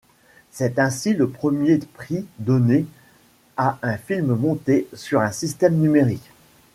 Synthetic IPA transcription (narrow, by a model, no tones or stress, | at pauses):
sɛt̪ɛ̃siləpχəmjepχid̪ɔne | aʔɛ̃filmmɔ̃t̪esyʁɛ̃sist̪ɛmnymeʁik